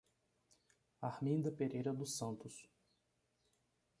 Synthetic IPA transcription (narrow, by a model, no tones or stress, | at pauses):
ahmĩnd̪ɐpeɾejɾɐd̪ʊsɐ̃nt̪ʊs